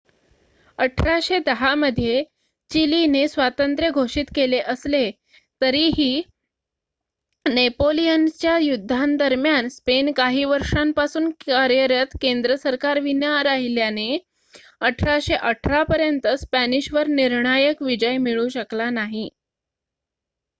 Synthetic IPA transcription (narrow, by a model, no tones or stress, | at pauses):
əʈʰɾaɕed̪əɦaməd̪ʱːje | t͡ɕilinesʋat̪ənt̪ɾjəɡʱoʂiːt̪keleʔəsle | t̪əɾiːɦiː | nepolijənt͡ɕjajud̪ʱːand̪əɾmjanspenkaɦiːʋəɾʂampasuːnkaɾjəɾət̪kend̪ɾəsəɾkaɾʋinjaɾaɦiljane | əʈʰɾaɕeʔəʈʰɾapəɾjənt̪əspæniɕʋəɾniɾɳajəkʋid͡ʑəjmiɭũɕəklanaɦi